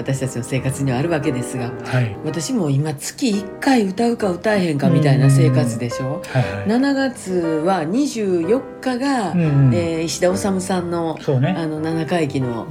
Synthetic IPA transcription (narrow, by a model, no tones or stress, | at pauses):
at̪aɕi̥t̪at͡ɕino̞se̞ːkat͡sɨɲ̟iβaːɾɯ̟βake̞d̪e̞sɨɡahaβat̪aɕimo̞imat͡sɨ̥kʲiːkːaiɯ̟t̪aɯ̟kaɯ̟t̪aehẽ̞ŋkamʲit̪ainase̞ːkat͡sɨd̪e̞ɕo̞ːhnanaɡat͡sɨβaɲ̟iʑɨːjo̞kːaɡaeːiɕid̪ao̞samɯ̟sãnːo̞soneano̞nanakaikʲino̞̰